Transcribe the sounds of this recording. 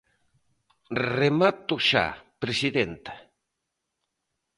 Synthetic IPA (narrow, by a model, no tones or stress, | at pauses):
remat̪oʃa̰pɾesiðent̪ḁ